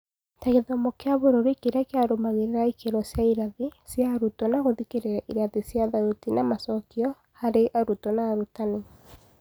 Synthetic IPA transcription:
taɣeðɔmokeaβoɾoɾikeɾakeaɾomaɣeɾeɾaikeɾɔsjaiɾaðisjaɾutɔnaɣoðikeɾeɾaʔiɾaðisjaðaɾotinamasɔkiɔ | haɾeʔaɾutɔnaːɾutane

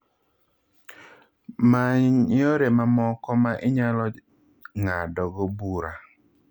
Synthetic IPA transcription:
maɲoɾemamɔkɔmaʔɪɲalɔ | ŋadɔɡɔbuɾa

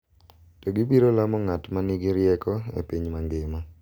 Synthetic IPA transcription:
toɡibiɾolamɔŋatmaniɡiɾjɛkɔḛpiɲmaŋɡɪmɔ

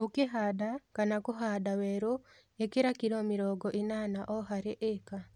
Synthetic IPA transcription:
okeɦaːdakanakoɦaːdawɛɾo | ekeɾakiɾɔmiɾɔːɡɔʔinaːnaʔɔɦaɾeʔeka

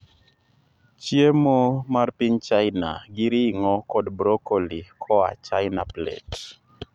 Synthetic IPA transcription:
t͡ʃjemomarpiɲt͡ʃaɪna̰ɡɪɾiŋɔkɔdbɾokolikʰɔa̰t͡ʃajnaplɛ̰t

